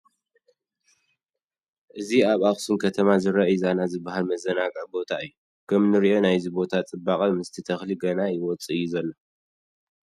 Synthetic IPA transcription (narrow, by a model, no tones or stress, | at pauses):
ʔɨziaβaxsumkʰɐt̪ʰɐmazɨɾɐjzanazɨbːahalmɐzɐnaɡɨʕbo̞t̪ʰaɨjːu | kʰɐmnɨɾiʔo̞najzibo̞t̪ʰat͡sʼɨbːakʼɐmɨst̪ʰit̪ʰɐxliɡɐnajɪwɔt͡sʼɨɨjːuzɐlːo